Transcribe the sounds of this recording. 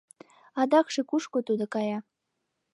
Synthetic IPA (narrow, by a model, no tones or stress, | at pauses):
ɑd̪ɑkʃekuʃkot̪ud̪ŏkɑjɑ